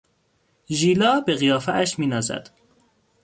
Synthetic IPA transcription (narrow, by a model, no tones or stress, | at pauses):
ʒiːlɒːbeɣijɒːfææʃmiːnɒːzæ̰d̪̥